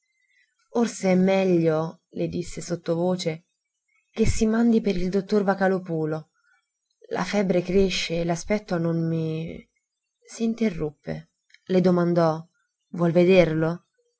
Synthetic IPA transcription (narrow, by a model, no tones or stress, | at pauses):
orseɛmːɛʎːolʔed̪isːesot̪ːovoːt͡ʃe | k̟esːimand̪ipeɾild̪ot̪ːorvakalopuːlo | lʔa̰fɛbɾekɾeʃːeːlaspɛt̪ːononmi | siːnt̪erːupːḛ | led̪omand̪ɔ | vwɔlved̪erlo